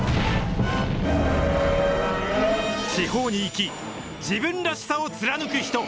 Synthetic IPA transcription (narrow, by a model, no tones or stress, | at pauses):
ɕiho̞ːɲ̟iːkʲi | d͡ʑibɯ̟̃nd̪aɕi̥saot͡sɨɾanɯ̟kɯ̟çi̥t̪o̞